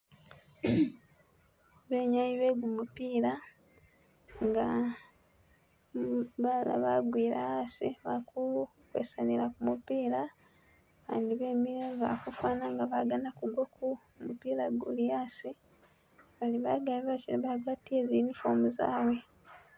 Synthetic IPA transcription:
βe̞ːɲajiβeɡumupiːla | ŋɡa | βala̰βaɡwiːɾaasiβaku | kwḛsanilakumupiːla | andiβe̞ːmiɾeːva̰kufwaːnaŋɡaβaɡanakuɡwokʰu | mupiːlaɡṵliasi | βaliβaɡaliβat͡ʃiβaɡwatiezinifo̰ːmuza̰ːwe̞

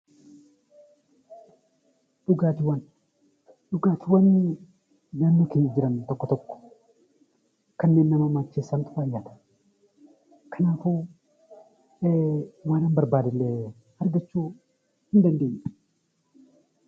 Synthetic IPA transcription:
ᶑʊɡaːt̪ɪwɐn | ᶑʊɡaːt̪ɪwɐnː | naːnːukɪnɪd͡ʒɪɾɐnt̪ɔkːɔt̪ɔkːɔ̥ | kɐnːeːnːɐmɐmaːt͡ʃːeːsːant̪ʊʔaːjːat̪ɐ̥ | kʰɐnaːfu | waːnambɐɾbaːd̪ɪlːeː | ɐɾɡɐt͡ʃːuː | hɪnd̪ɐnd̪eːjʔ

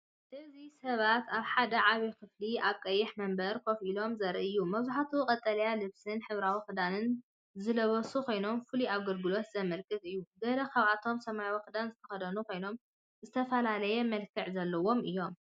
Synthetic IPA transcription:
ʔɨzisɐβat̪aβħad̪ɐʕaβikʰɨfliaβkʼɐjːɪħmɐmbɐɾkʰo̞filo̞mzɐɾɨʔɨjːumɐβzuħat̪ʰukʼɐt̪ʼːɐlɐjalɨβsɨnħɨβɾawikɨd̪anɨn | zɨlɐβɐsukʰo̞jno̞mfɨliaβɡɐlɡɨlo̞t̪zɐmɐlkʰɨt̪ʼɨjːuɡɐlɐkʰɐβʕat̪ʰo̞msɐmajawkɨd̪anzɨt̪ʰɐxɐd̪ɐnuko̞jno̞m | zɨt̪ʰɐfɐlalɐjɛmɐlkʰɨʕzɐlːɐwo̞mʔɨjːo̞m

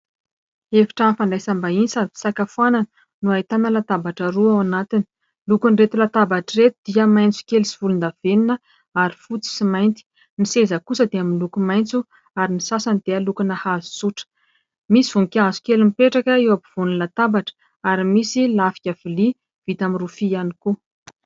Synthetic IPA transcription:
efi̥ʈ͡ʂanfaɳɖ͡ʐajsambainsad̪i̥sakafuananə | nuajt̪anəlat̪abaʈ͡ʂəɾuawanat̪ini̥ | lukunret̪ulat̪abaʈ͡ʂiret̪ud̪̥iəmajnt͡su̥kʲelisi̥vulund̪av̥eninə | aɾifut͡si̥simajnt̪i̥ | nisezəkusəd̪eaminlukumajnt͡su | aɾinisasand̪̥ealukunahazu̥suʈ͡ʂə̥ | misivuŋkʲazu̥kelumipeʈ͡ʂakəewapiv̥unilat̪abaʈ͡ʂə̥ | aɾimisilafi̥kʲavili | v̥it̪amiɾufianiku

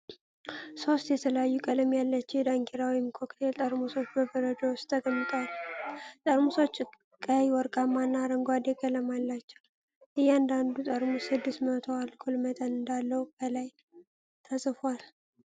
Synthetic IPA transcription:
so̞st̪jɛt̪ʰələjajːukʼələmjalːət͡ʃːɪjɛd̪aŋkʰeɾawimkʰo̞kt̪ʰe̞lt̪ʼəɾmuso̞t͡ʃːbəbəɾəd͡ʒəwʊst̪ʰːəɡəmːɨt̪ʼwalt̪ʼəɾmuso̞t͡ʃː | kʼːawɔɾkʼamːanːaɾəŋɡʷad̪eɡʼələmalːat͡ʃːɛw | ʔɨjːɛand̪and̪ut̪ʼəɾmusɨd̪ːɨst̪mət̪ʰoalkʰolmət̪ʼənɨnd̪alːəwbəlaj | t̪ʰəsʼɨfwal

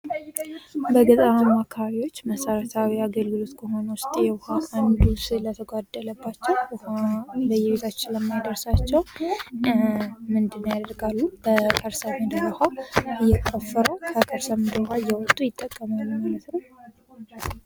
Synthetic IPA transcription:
bəɡɨzʼamakʰəβaβiwo̞t͡ʃːməsəɾət̪ʰawiaɡəlɡɨlo̞t̪kʰəɦo̞nəwʊst̪ʼjɛwhaʔand̪uslət̪ʰəɡad̪ːələbːat͡ʃːɛwhabəjɛβet̪ʰat͡ʃːɪnləmːajd̪əɾsat͡ʃːɛw | mɨnd̪ɨnːəjad̪əɾɡalːub̥əkʰʼəɾsəmɨd̪əwahaɨjːɛkʼːəfːəɾəwkʰəkʰʼəɾsəmɨd̪əɾaɨjːɛwɔt̪ʼːujɪt̪ʼːəkʼːəmalːumalət̪nəw

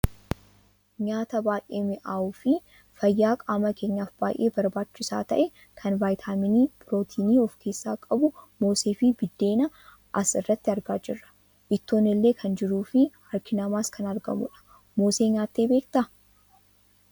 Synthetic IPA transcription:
ɲaːt̪ɐbaːjʔeːmɪʔaːuːfɪ | fɐjːaːkʼaːmɐke̞ːɲːaːfb̥a̰ːjʔe̞ːbɐɾbaːt͡ʃːɪsa̰ːt̪ɐ̰ʔɛ | kʰɐnvaːjt̪ʰaːmɪniːbɾo̞ːt̪ʰiːniːɔfke̞ːsːaːkʼɐbʊmo̞ːseːfibɪd̪ːe̞ːnɐ | ʔɐsɪrːɐt̪ːɪɐɾɡaːd͡ʒɪrːɐ̥ | ʔɪt̪ːo̞ːnːɪlːe̞ːkʰɐnd͡ʒɪɾuːfɪhɐɾkʰɪnɐmaːskʰɐnɐɾɡɐ̰mʊ̰ᶑɐ̥ | mo̞ːse̞ːɲaːt̪ːe̞ːbeːkt̪ɐ

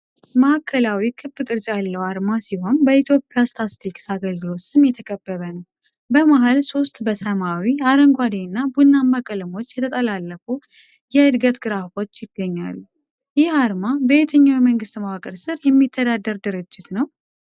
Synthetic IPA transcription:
məhakʰːəlawikʰɨbːɨkʼɨɾt͡ʃʼjalːəwaɾmasiho̞nbəit̪ʰjo̞pʼːjast̪ʰast̪ʰiksaɡəlɡɨlo̞t̪sɨmjɛt̪ʰəkʼəbːəβənəw | bəmaɦalso̞st̪ʼbəsəmawiaɾəŋɡʷad̪eɨnːabunːamːakʼəlɨmo̞t͡ʃːjɛt̪ʰət̪ʼəlalːəfu | jɛɨd̪ɡət̪ɡɨɾafo̞t͡ʃːjɪɡəɲːa̰lːu | jɪhaɾmabəet̪ʰəɲːawjiməŋɡɨst̪mawakʼəɾsɨɾjɛmːit̪ʰːəd̪ad̪əɾd̪ɨɾɨd͡ʒːɪt̪nəw

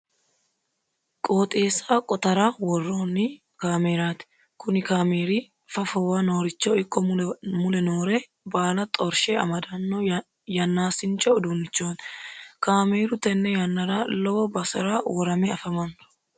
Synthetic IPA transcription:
kʼo̞ːt̪ʼeːsaːkʼɔt̪ɐɾaːwɔrːoːnɪ | kaːmeːɾaːt̪ɪ̥ | kʊnɪkaːmeːɾi | fɐfɔwaːno̞ːɾɪt͡ʃːɔɪkːɔmʊlɛnoːɾɛ | baːlɐt̪ʼɔɾʃɛɐ̰mɐd̪ɐnːɔ | jɐnːaːsɪnt͡ʃːɔːd̪uːnːɪt͡ʃːoːnkaːmeːɾʊt̪ɛnːɛjɐnːɐɾaːlɔwɔbɐsɐɾaːwɔɾɐmɛɐfɐmɐn

